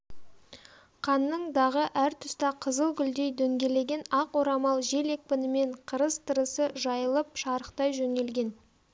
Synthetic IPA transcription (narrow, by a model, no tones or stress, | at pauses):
qʰɑnːəɴd̪ɑʁəʔæɾt̪ʰʏst̪ɑqʰəzəlˠɡʲʏld̪e̞jd̪ɵŋɡʲe̞le̞ɡʲe̞nɑqwoɾɑmɑlˠʒe̞le̞k̚pɪnɪme̞ɴqʰəɾəzt̪ʰəɾəsəʒɑjəlˠəp̚ʃɑɾəqt̪ɑjʒɵne̞lɡʲe̞n